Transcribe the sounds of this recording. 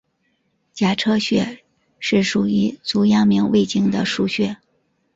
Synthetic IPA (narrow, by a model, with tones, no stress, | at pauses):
t͡ɕja˨˩ʈ͡ʂʰɤ˥ɕɥɛ˥˧ | ʂɻ̩˥˩ʂu˨˩y˧˥t͡su˧˥jɑ˥ŋmi˧˥ŋwe˥˧ɪt͡ɕi˥˩ŋd̪ə̰˨ʂu˥˧ɕɥɛ˥˩